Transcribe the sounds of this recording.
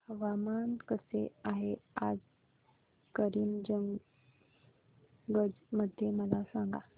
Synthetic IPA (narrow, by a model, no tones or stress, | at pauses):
ʋamankəseaɦea̰d͡z | kəɾiːmd͡ʑəŋɡ | ɡəd͡zməd̪ʱjeməlasãŋɡa